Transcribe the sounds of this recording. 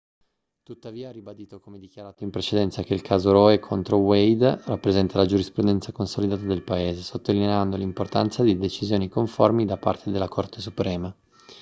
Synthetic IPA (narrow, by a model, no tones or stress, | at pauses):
t̪ut̪ːaviːarːibad̪iːt̪okomed̪ikjaɾaːt̪oimpɾet͡ʃed̪ɛnt̪sakeilkʰaːzoɾɔekʰont̪ɾowejd̪rapːɾezɛnt̪alad͡ʒuɾispɾud̪ɛnt̪sakonsolid̪aːt̪ad̪elpaeːzesot̪ːolineand̪olimport̪a̰nt̪sad̪id̪et͡ʃizjoːnikoɱformid̪apa̰rt̪ʰed̪elːakort̪e̥supɾɛːma